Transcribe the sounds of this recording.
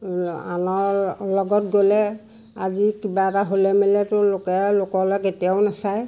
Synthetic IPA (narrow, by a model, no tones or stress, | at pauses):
a̰nɔɹlɔɡɔt̚ɡolɛ | azikibataɦolɛmɛlɛtʊlokɛlokɔlɔketijawnasaj